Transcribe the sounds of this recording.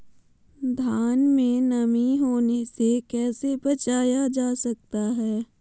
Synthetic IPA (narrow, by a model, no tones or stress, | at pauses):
d̪ʱjaːnmẽnɐmiɦoːnesekɛːsebɐt͡ʃaːjad͡ʒaːsɐk̚t̪aɦɛː